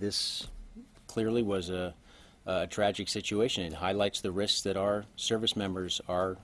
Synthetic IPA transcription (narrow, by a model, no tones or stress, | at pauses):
ðɪs | kʰl̥ɪɹliwʌzː | tʰɹ̥æd͡ʒɨksɪt͡ʃueɪʃɨ̃nɨt̚haɪlaɪtsðɨɹɪsksðɨɾaʊə˞sɜ˞vɨsmɛ̃mbə˞zə˞